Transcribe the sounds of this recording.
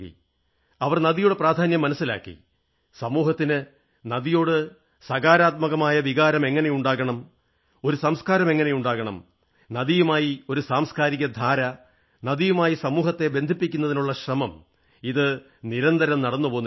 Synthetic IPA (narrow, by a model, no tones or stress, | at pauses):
ḭ | ɐʋɐrnɐðijuːɽepraːd̪ʱaːnjɐmːɐnɐsːila̰ːkːḭ | sɐmuːɦɐt̪ːinɨ | nɐðijo̞ːɽɨ | sɐɣaːɾaːt̪̚mɐɣɐmaːjɐʋiɣaːɾɐme̞ŋːɐnejuɳɖaːɣɐɳɐm | o̞ɾusɐmskaːɾɐme̞ŋːɐne̞juɳɖaːɣɐɳɐ̰m | nɐðijumaːjio̞ɾusaːmskaːɾiɣɐd̪ʱaːɾɐ | nɐðijumaːjisɐmuːɦɐt̪ːe̞be̞nd̪ʱipːikʲːunːɐðinuɭːɐɕrɐmɐm | iðɨ | niɾɐnd̪ɐɾɐmnɐɽɐnːupo̞ːnː